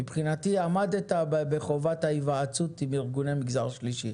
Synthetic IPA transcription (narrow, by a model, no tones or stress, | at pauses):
mipχinatiamad̪et̪abbeχovathaivaat͡sutimiʁɡunemiɡzaʁʃliʃi